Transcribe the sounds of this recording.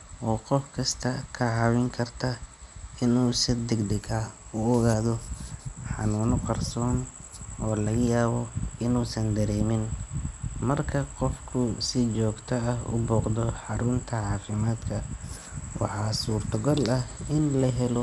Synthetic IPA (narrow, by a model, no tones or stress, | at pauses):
ʔɔːqɔfkʰɐst̪ʰɐkʰɐʕɑːwɪŋkʰɐrt̪ʰɐɪnuːsɪd̪ɛɡd̪ɛɡaʊɔɣaːðɔħɑ̰nuːnɔqɑrsɔːn | ɔːlɐɣɐjaːβɔɪnuːsɐnd̪ɐɾɛːmɪn | mɐrkʰɐqɔfkʰʊsɪt͡ʃɔːɡt̪ʰɐɐhʊ̰bɔːqd̪ɔħɑɾʊnt̪ʰɐʕɑːfɪmaːd̪kʰɐ | wɑ̰ħɑːsuːrt̪ʰɐɡɔlɐhɪnlɐɦɛlɔ